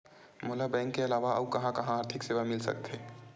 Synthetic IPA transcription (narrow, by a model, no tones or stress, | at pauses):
mʊlabɛ̃ːŋkːeɐlaːʋaɐukɐɦãkɐɦãaːɾt̪ʰɪkseːʋamɪlsɐ̰k̚t̪ʰeː